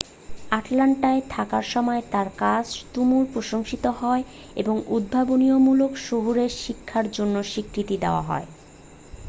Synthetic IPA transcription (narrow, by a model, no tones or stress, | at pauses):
aʈlaɳʈaet̪ʰakaɾʃɔmɔet̪aɾkad͡ʑt̪umuɾpɾoʃoŋʃit̪oɦɔe | eboŋud̪̚bʱaboniomulokʃoɦuɾeɾʃikʰːaɾd͡ʑonːoʃikʰɾit̪id̪eoa̰ɦɔ̰e